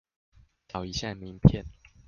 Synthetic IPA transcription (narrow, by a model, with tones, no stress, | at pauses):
t̪ɑ˨˩ʊi˧˦ɕja˥˨mi˧˦ŋpʰjɛ˥˨n